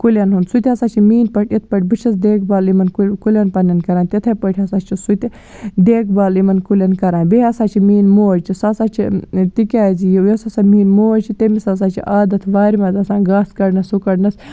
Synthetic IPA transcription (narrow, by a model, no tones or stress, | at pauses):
kulʲɐnɦund̪sut̪ʲɐsaːt͡ʃʰimiːnpɐʈʲʰit̪̚ʰpɐʈʰʲbɨt͡ʃʰɐsd̪eːk̚ʰbaːlimɐnkulʲɐnpɐnʲɐnkɐɾaːnt̪ʲet̪ʰɐpɐʈʲʰɐsaːt͡ʃʰisut̪ʲi | d̪eːkʰbaːlimɐnkulʲɐnkɐɾaːnbeɐsaːt͡ʃʰimiːnmoːɾt͡ʃʰisasaːt͡ʃʰit̪ikʲaːzijijɐsɐsamiːnmoːt͡ʃʰit̪emisasaːt͡ʃʰḭʔaːd̪ɐt̪ʰʋaːɾimɐzɐsãːnɡaːskɐɽnɐsukɐɽnɐs